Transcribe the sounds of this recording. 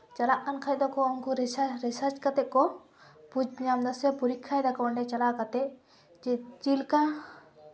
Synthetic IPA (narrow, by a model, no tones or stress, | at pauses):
t͡ʃalaʔkankʰajd̪ɔkɔɔŋkuɾɛsaɾɛsaɾt͡ʃkat̪ɛkɔ | pud͡ʒbiɲamd̪asɛpuɾikʰːajd̪akawaɳɖɛt͡ʃalaʔkat̪ɛʔ | d͡ʒɛt͡ʃilkã